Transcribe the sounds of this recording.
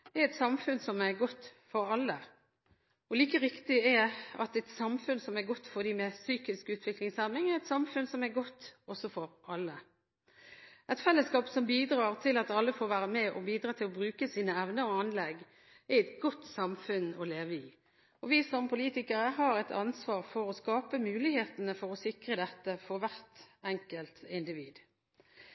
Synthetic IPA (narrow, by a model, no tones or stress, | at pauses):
ɛɾɛt̪sɑmfʉnsɔmɛɾɡɔt̪ːfɔɾɑlːə | ɔliːkəɾɪkt̪ɪɛɑ̰t̪ɛt̪sɑmfʉnsɔmɛɾɡɔt̪ːfɔd̪iːmɛsyːkɪskʉːt̪ʰʋɪklɪŋsæmɪŋɛʁɛt̪sɑmfʉnsɔmɛɡɔt̪ːɔsɔfɔɾɑlːə | ɛɪt̪fɛlːəskɑːpsɔmbiːd̪ɾɑːʁt̪ʰɪlɑt̪ɑlːəfoːɾʋæːʁəmɛʔɔ̰biːd̪ɾɑːt̪ʰɪlɔbɾʉːkəsiːnəɛʋnəɔɑnlɛɡː | ɛɛt̪ɡɔt̪sɑmfʉnɔleːʋəi | ɔʋiːsɔmpʰʊliːt̪ɪkəʁəɦɑːɾɛt̪ʰɑ̰nsʋɑːʁfɔɾɔskɑːpəmʉːlɪheːt̪ənəfɔʁɔsɪkɾəd̪ɛt̪ːəfɔɾʋæʁt̪ɛŋkəlt̪ɪnd̪ɪʋiːd̪